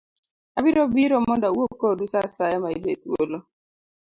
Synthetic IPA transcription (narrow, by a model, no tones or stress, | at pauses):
abiɾɔbiɾɔmɔndawokodusasajamaidet̪wo̰lo